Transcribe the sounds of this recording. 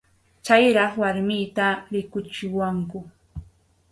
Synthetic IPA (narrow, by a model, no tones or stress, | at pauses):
t͡ʃajɾɑχwaɾmɪːt̪aɾɪkʊt͡ʃɪwaŋkʊ